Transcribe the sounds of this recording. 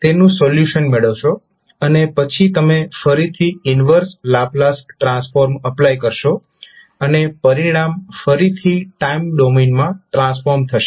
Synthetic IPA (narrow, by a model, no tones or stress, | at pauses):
t̪enũsoljuʃənmeɭəʋʃo | ənepət͡ʃʰit̪əmefəɾit̪ʰiɪnʋəɾslaplasʈʈɾãnsfoɾməplajkəɾʃo | ənepəɾiɽ̃amfəɾit̪ʰiʈaimɖominmãʈɾãsfoɾmt̪ʰəʃe